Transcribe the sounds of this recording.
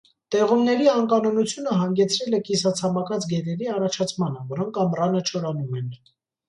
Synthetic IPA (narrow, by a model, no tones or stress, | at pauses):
t̪ɛʁumnɛɾiɑŋkɑnɔnut͡sʰjunəɦɑŋɡɛt͡sʰɾɛlɛkisɑt͡sʰɑmɑkɑt͡sʰɡɛt̪ɛɾiɑrɑt͡ʃʰɑt͡sʰmɑnəvɔɾɔŋkʰɑmrɑnət͡ʃʰɔɾɑnumɛn